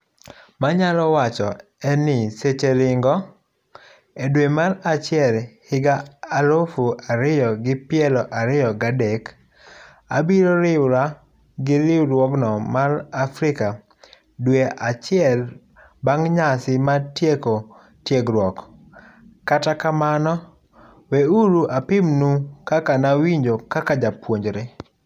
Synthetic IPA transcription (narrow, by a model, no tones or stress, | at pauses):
maɲalɔwat͡ʃɔ | ɛnɪset͡ʃelɪŋɡɔ | edwemaɾat͡ʃɪɛlhɪɡaːɾofuaɾɪjɔɡɪpɪɛlɔʔaɾɪjɔɡadek | a̰biɾoɾɪwɾa | ɡɪɾɪwɾwɔknɔmaɾafɾɪka | dweʔat͡ʃɪɛl | baŋɲasɪmatjeko | tjeɡɾwɔk | katakamanɔ | weuɾuʔapɪmnukakanawiɲd͡ʒokakad͡ʒapwoɲd͡ʒɾe